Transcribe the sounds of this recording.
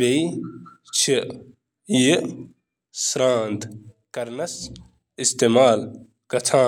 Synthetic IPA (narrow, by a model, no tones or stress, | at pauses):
ej | t͡ʃʰi | ji | sɾãːnd̪ | kɐɾnɐs | ist̪eːmaːl | kɐt̪ʰãː